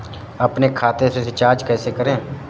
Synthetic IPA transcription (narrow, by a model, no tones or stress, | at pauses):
əpneːkʰaːt̪eseset͡ʃaːɾd͡ʒkɛːseːkəɾẽː